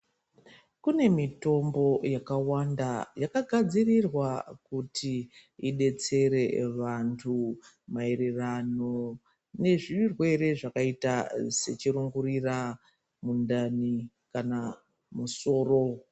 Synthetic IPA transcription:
kune̞mito̞mbo̞jakawandajakaɡʱad͡zirirwakutiiɗe̞t͡se̞ɾe̞ʋantʰu | maeɾerano̞ | ne̞ʐirwe̞ɾe̞ʐakaitase̞t͡ʃiɾuŋɡuɾira | mundani | kana | muso̞ːro

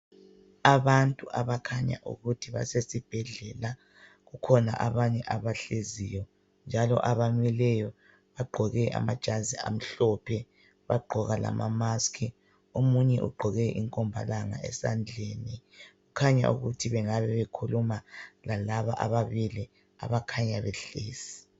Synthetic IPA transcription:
aβantʼuʔaβakʰaɲa̰ʔṵɣutʰiβa̰sesib̥ʱɛɮɛla | ɣukʰɔna̰ʔaβaɲɛʔaβaɬezijɔ | nd͡ʒʱalɔ̰ʔaβaɲwilɛjɔ | βaɡ͡ǃʱɔɣɛʔa̰mad̥ʒ̥ʱazia̰m̩ɬɔpʰɛ | βaɡ͡ǃʱɔɣala̰mʔamaskʰi | omuɲɛʔṵɡ͡ǃʱɔɣɛʔiŋkʼɔmbʱa̰laŋa̰ɛ̰sand͡ɮʱeniɣukʰaɲa̰ṵɣutʰiβɛŋaβɛβɛkʰulumalalaβaʔaβaβili | a̰βakʰaɲaβɛɬeːsi̥

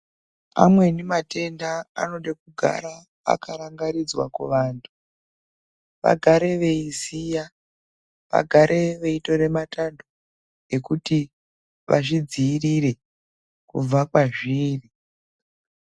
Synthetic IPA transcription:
a̰mwe̞nemate̞ndaa̰no̞ndekuɡʱa̰ɾa̰ː | kʰaɾaŋɡaɾid͡zwa̰kwḛʋaːntʰu̥ | ʋa̰ɡʱaɾe̞ʋe̞isija | ʋa̰ɡʱaɾʔe̞ʋe̞ito̞re̞matando | e̞kuti | ʋʔa̰ʂid͡ziːrire̞ | kṵb͡vakwaʐiːri

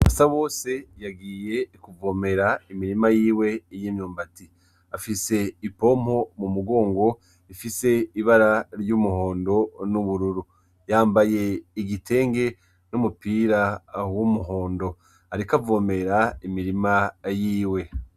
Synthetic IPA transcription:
βa̰saβo̞ːse̞jaɡiːje̞kuvo̞me̞ɾaimiɾimajiːwe̞jiːmɲuːmbati | afise̞ipo̞mho̞mumuɡo̞ːŋɡo̞ | ifise̞iβaɾaɾɟumuho̞ːndo̞nuβuɾuɾu | jaːmbaje̞iɡitʰe̞ːŋɡe̞ | numupiːɾawumuɦo̞ːndo̞ | haɾikavo̞me̞ɾaimiɾimajiːwe̞

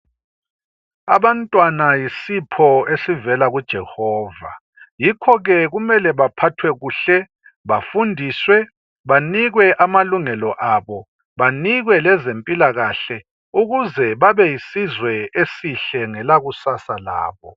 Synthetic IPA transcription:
a̰βantʼwanajisipʰɔesivɛlaɣud̥ʒ̥ʱɛhɔːva̰ | jikʰɔɣɛɣumɛlɛβapʰatʰwɛɣuːɬɛ | βafundʱiswɛ | βaniɣwɛʔamaluŋɛlɔʔaβɔ | βaniɣwɛlɛzempʼilaɣaɬɛ | uɣuzɛβaβɛjisizwɛesiɬɛŋɛlaɣusasala̰ːβɔ

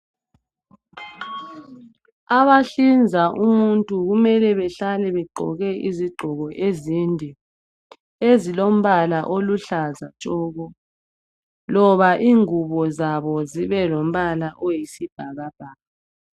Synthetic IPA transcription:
aβaɬind͡zʱaʔumuntʼuɣumɛlɛβɛɬalɛβɛɡ͡ǃʱɔ̰ɣɛʔiziɡ͡ǃʱɔɣɔʔezindʱi | ezilom̩βalaʔoluɬazat͡ʃʼɔːɣɔ | lɔβaʔiŋuβɔzaβɔziβɛlom̩βalaʔojisib̥ʱaɣab̥ʱaːβa

